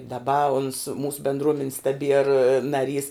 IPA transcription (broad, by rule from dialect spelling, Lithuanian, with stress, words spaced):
dɐˈbɐ ʊns ˈmuːsʊ bʲɛndˈruɔmʲɛnʲɪs tɐˈbʲiɛr nɐˈrʲiːs